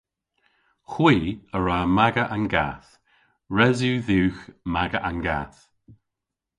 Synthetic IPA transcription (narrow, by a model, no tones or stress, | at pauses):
xwiːəɹaːmaɡəʔanɡa̰θ | ɹɛzuːðuːxmaɡəʔanɡa̰ːθ